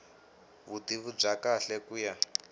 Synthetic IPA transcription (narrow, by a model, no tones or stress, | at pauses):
βud̪iβub͡ʐakaɬɛkuja